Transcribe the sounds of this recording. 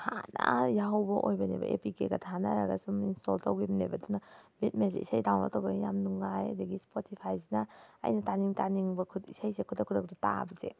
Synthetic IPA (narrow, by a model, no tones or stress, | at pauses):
hanajaɦawbɐʔojbɐnḛbɐ̰ʔepikeɡatʰanaɾaɡa̰suminsto̰ltawɡibɐnebɐdunabit̚mensḛisajdawna̰tawɡanijamnuŋaja̰dɐɡispʰotipʰajzina̰ːjnɐtaniŋtaniŋbɐkʰuisajsekʰudakʰːudak̚data̰bɐzḛ